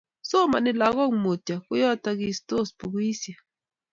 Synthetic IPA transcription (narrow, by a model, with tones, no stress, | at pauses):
so˦ma˨nɪ˨la˨ɣɔ˦˨ŋmo˨ta˨kʊ˦jɔ˦ta˦ɡi˨sto˦˨spu˨ɡwi˦sja˨